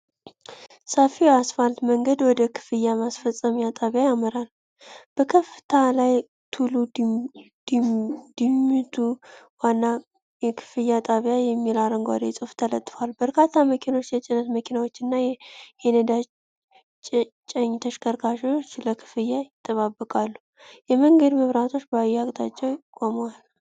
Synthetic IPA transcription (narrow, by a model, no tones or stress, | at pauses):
səfiasfalt̪məŋɡəd̪wɔd̪əkʰɨ̥fɨjːamasfəsʼəmjat̪ʼaβjajamɨɾal | b̥əkʰəfɨt̪ʰalaj | t̪ʰulu | d̪d̪̥imːɨt̪ʰu | wanːa | jɛkʰɨ̥fɨjat̪ʼaβijajɛmːilaɾəŋɡʷa̰d̪esʼɨft̪ʰələt̪ʼːfalbəɾkʰat̪ʰːaməkʰino̞t͡ʃːjɛt͡ʃʼɪnət̪məkʰinawo̞t͡ʃːɨnːajɛenəd̪a | t͡ʃʼəɲt̪ʰəʃkʰəɾkʰaʃiwot͡ʃːləkʰɨ̥fɨjːajɪt̪ʼːəβabːɨkʼalːu | jɛməŋɡəd̪məβɾat̪ʰo̞t͡ʃːbajːakʼt̪ʼa̰t͡ʃʼːɛwjɪkʼːoməwal